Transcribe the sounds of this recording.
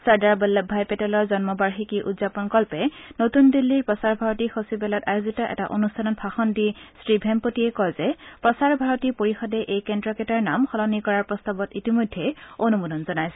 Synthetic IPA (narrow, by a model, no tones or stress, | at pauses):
saɹdaɹblbʱajpɛtɛlɔɹzɔnmɔbaɹxikiʔṵdzapɔnkɔlpɛnotundilːiɹpɹɔsaɹbʱaɹɔtixosibɛlɔtajozitɔʔɛ̰ta̰ʔo̰nustʰanɔnpʰaxɔndistɹibʱɛmpotiɛkɔjzɛpɹɔsaɹbʱaɹɔtipoɹixɔdɛʔejkɛndɹɔkɛtaɹnamxɔlɔnikɔɹaɹpɹɔst̪abɔtitimojdʱːɛonumudɔnzɔnajsɛ